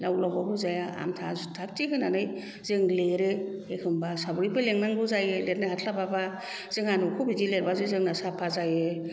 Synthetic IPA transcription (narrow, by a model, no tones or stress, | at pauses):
lawlawbabɯzajaa̰mtʰaztʰak̚tiɦʰɯnanɯj | zɯŋleɾɯekʰɯmbasabɯɾibɯleŋnaŋbɯzajɯlet̚najhatʰlababa | z̥ɯŋanukʰubidileɾbazɯzɯŋnasapʰazajɯ